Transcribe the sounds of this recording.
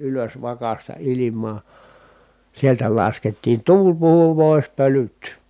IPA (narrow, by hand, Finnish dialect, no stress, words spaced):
ʔyløs ʋɑkɑstɑ ilimˑɑː sieltæ lɑsketːiːn tuːl puhu poˑi̯s pølyt